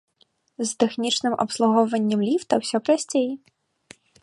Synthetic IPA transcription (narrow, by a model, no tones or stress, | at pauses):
zt̪ɛxnʲit͡ʂnɨmʔɐ̰pslˠuɣɔwvɐnʲːɐmlʲift̪ɐwsʲɔpɾasʲt͡sʲeji